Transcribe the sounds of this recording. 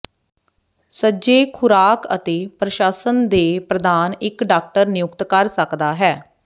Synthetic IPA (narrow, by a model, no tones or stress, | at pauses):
səːd͡ʒeːkʰʊɾaːkə̰t̪eːpɾəʃaːsənd̪eːpɾəd̪aːnɪkɖaːk̚ʈəɾnɪjʊkt̪kəɾsəkd̪aːɦɛː